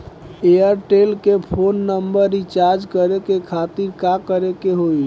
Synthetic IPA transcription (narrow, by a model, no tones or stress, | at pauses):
ejəɾʈelkepʰonːəmbəɾit͡ʃaɾd͡ʒkəɾekekʰat̪iɾkakəɾekeɦoi